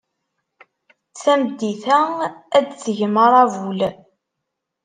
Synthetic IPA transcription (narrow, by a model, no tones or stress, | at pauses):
θæmd̪ːiθææd̪θəʝməɾˤævul